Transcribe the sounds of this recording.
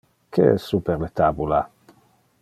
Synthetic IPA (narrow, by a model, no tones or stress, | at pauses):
kʰeɛ̰sːupeɾlet̪abula